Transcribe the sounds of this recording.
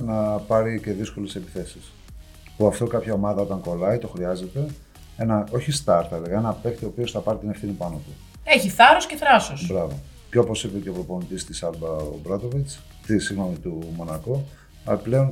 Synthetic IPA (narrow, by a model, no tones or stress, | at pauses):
nɐpɐɾice̞ðisko̞le̞sepi̥θe̞sis | puɐft̪okɐpçɐo̞mɐðɐo̞t̪ɐŋko̞lɐit̪o̞xɾiɐze̞t̪e̞ | e̞nɐo̞çist̪ɐɾt̪ɐliɣɐe̞nɐpe̞kt̪iopio̞sθɐpɐɾit̪inefθinipɐnot̪u | eçiθɐɾosceθɾɐsosbɾɐvo̞ | co̞po̞sipeceopɾo̞po̞nit̪ist̪isɐlbɐo̰bɾɐt̪o̞vit͡s | t̪isiɣno̞mit̪umo̞nɐko | ple̞o̞n